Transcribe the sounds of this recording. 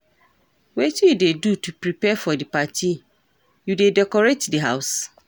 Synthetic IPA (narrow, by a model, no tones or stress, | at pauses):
wɛtijudedutʰupɾipɛfɔdipatʰi | judedɛkɔɹetdiɦa̰ʊs